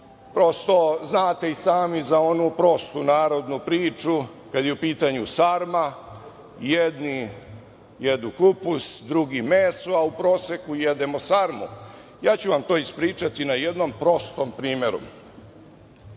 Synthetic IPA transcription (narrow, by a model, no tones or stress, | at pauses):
pɾo̞st̪o̞znaːt̪e̞isaːmizao̞nupɾo̞st̪unaːɾo̞d̪nupɾiːt͡ʃu | kad̪jeupiːt̪aɲusaɾma | jed̪ni | jed̪nukupusd̪ɾuɡimeːsuaupɾo̞ːsekujed̪emosaɾmṵ | jaːt͡ɕuʋamt̪o̞ːispɾiːt͡ʃat̪inaje̞d̪nompɾo̞st̪ompɾiːmeɾṵ